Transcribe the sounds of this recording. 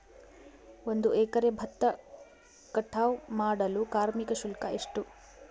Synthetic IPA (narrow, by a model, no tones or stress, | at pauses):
ond̪uɛːkɐɾebʱɐt̪ːɐ | kɐʈʰːaːʋmaːɽɐlukaːɾmikɐʃulkɐʔeʂʈu